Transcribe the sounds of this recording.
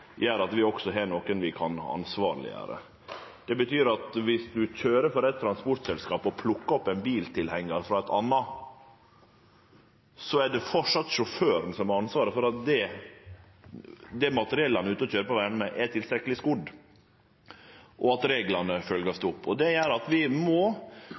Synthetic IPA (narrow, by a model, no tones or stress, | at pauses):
jæːɾɑt̪ʋɪɔksɔɦɛnoːkənʋɪkʰɑnɑ̰nsʋɑːɾɭɪ̰jæ̰ːɾə̰ | d̪̥ɛbət̪ʰyːɾɑt̪ʋɪsd̪ʉçøːɾəfɔɾɛɪt̪ʰːɾɑnspɔʈ̪sɛlskɑːpɔpʰlʊkːɔpːɛnbiːlt̪ʰɪlhɛŋːəɾfɾɑːɛt̪ʰɑ̰nːɑ | sɔæɖɛfɔʂɑt̪ːʂɔføːɾənsɔmɛɑnsʋɑːɾəfɔɾɑt̪̚d̪ɛ | d̪ɛmɑt̪əɾɪɛlːɑnəʉːt̪əɔɕøːɾəpɔʋænəmɛʔɛʈ̪ʰɪlst̪ɾɛkːəlɪskʊd̪ | ʔɔɑt̪ɾeːɡlɑnəfœlɡəsd̪ɛʊpːɔd̪ɛjæːɾɑt̪ʋɪmɔ